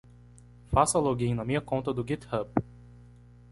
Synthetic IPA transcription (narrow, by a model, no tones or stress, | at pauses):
fasɐloɡĩj̃nɐmĩɲɐkõnt̪ɐd̪ʊɡit̪hɐp